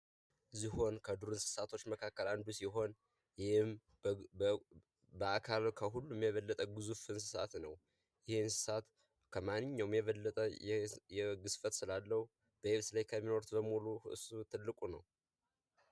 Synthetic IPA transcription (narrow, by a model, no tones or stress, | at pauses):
ziho̞nkʰəd̪uɾɨnsɨ̥sat̪ʰo̞t͡ʃːməkʰakːəland̪usiɦo̞n | jhɪm | bəakʰalkʰəɦulːumjɛβəlːət̪ʼəɡɨzufɨnsɨ̥sa̰t̪nəw | jɪhe̞nsɨ̥sat̪ | kʰəmanːɨɲːawmjɛβəlːət̪ʼəjɛjɛɡɨsfət̪sɨlalːəhu | b̥əeβslajkʰəmːino̞ɾt̪bəmuluɨ̰sut̪ʰɨlːɨkʼunəw